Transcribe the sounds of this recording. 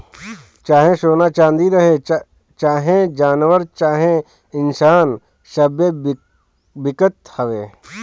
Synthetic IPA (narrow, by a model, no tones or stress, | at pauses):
t͡ʃaːɦẽʃoːnat͡ʃãːnd̪iɾɐɦe | t͡ʃaːɦẽd͡ʒaːnʋəɾt͡ʃaːɦẽ | ɪnsaːn | ʃɐbje | bɪkət̪hɐʋeː